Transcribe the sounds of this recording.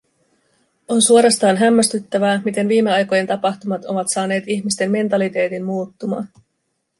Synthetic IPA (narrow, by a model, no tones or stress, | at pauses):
o̞nsuo̞ɾɑst̪ɑːnɦæmːæst̪yt̪ːæʋæːmit̪e̞nʋiːme̞ɑjko̞je̞nt̪ɑpɑxt̪umɑt̪o̞ʋɑt̪sɑːne̞ːt̪içmist̪e̞mme̞nt̪ɑlit̪e̞ːt̪immuːt̪ːumɑ̰ːn